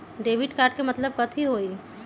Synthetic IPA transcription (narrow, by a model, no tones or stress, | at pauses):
ɖeːʋiʈkaːɾɖkemɐt̪ləb̚kɐt̪ʰiɦoːi